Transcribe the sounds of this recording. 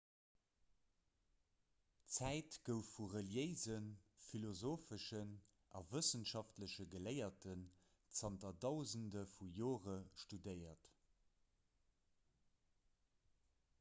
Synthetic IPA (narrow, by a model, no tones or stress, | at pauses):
t͡sæɪtɡ̥əʊfːuʁəljəɪzənfilozoːfəʃən | ʔɑ̰vəsənʃɑftləɕəɡələɪɐtən | t͡sɑntɐdɑʊzəndəfujoːʁəʃtudəɪɐt